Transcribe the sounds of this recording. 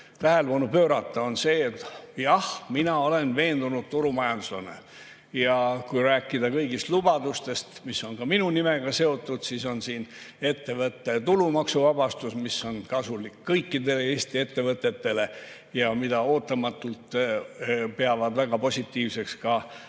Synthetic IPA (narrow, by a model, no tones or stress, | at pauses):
t̪æhe̞lpɑnupøːɾɑt̪ːˑɑo̞nse̞ːet̪ːjɑhminɑo̞le̞nve̞ːnd̪unud̪̥̚t̪uɾumɑjɑnd̪uslɑnḛ | jɑkujɾæːkːˑid̪̥ɑkɤjɡist̪lub̥ɑd̪ust̪e̞st̪misːo̞nkɑminunimeɡ̥ɑse̞o̞t̪ˑːud̪̥siːso̞nsiːne̞t̪ːe̞vɤt̪ːe̞t̪ulumɑksuvɑbɑst̪usmisːo̞nkɑsulikːɤjkːid̪e̞le̞eːsʲt̪ie̞t̪ːe̞vɤt̪ːˑe̞t̪ːe̞le̞ | jɑmid̪̥ɑo̞ːt̪ːˑɑmɑt̪ːˑult̪ | peɑvɑd̪væɡ̥ɑpo̞sʲit̪ːˑiːvse̞kskɑ